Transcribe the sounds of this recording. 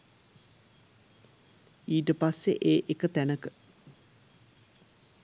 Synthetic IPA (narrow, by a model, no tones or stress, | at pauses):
iːʈəpasːḛʔeːʔekət̪ænəkə